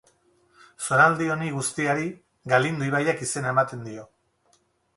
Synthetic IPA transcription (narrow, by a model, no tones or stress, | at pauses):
so̞ɾald̪io̞niɣust̪iaɾi | ɡalind̪uiβajakise̞nae̞mat̪e̞nd̪io̞